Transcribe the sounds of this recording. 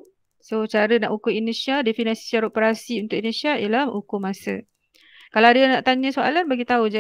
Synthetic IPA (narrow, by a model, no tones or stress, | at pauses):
sot͡ʃaɾəna̰ʔukʊinesjadefinãsiit͡ʃaɾopəɾasiunt̪ʊʔinesiaḭəlahukʊmasə̰ | kalawadanaʔt̪aɲə̃soa̰lanbaɡit̪aud͡ʒa